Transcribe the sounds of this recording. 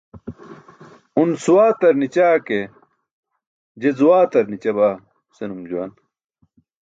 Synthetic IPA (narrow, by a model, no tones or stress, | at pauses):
unsuwaːt̪ɐɾnit͡ɕaːke | d͡ʑezuwaːt̪ɐɾnit͡ɕɐβaː | senumd͡ʑuwaːn